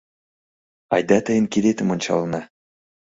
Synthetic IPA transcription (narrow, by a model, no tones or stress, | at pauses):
ɑjd̪ɑt̪ɘ̆jɘ̆nkilʲet̪ɘ̆mŏnʲt͡ɕɑ̰lˠnɑ